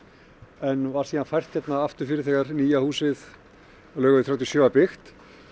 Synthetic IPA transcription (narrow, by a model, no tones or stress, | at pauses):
ɛnvaɾ̥siːðanfajr̥t̪çɛt̪naaft̪ʏɾ̥fɪːɾɪθɛːɣaɾniːjahuːsɪð | lœːɣʏðɪθɾjawt̪jɔsjœːapɪxt̪